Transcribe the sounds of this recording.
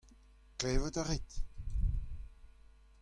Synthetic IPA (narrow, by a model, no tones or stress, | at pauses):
kleːvət̪aʁit̪